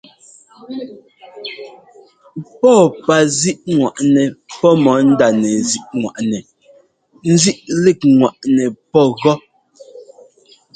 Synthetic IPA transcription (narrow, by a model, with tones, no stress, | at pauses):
pɔ˦˨pa˨zi˦ʔŋwa̰˨ʔnɛ˨pɔ˦mɔ˨˦n̩˦da˨nɛ˨zi˦ʔŋwa̰˨ʔnɛ˨ | n̩˦zi˦ʔli˦˨k̚ŋwa˨ʔnɛ˨pɔ˦ɣɔ˦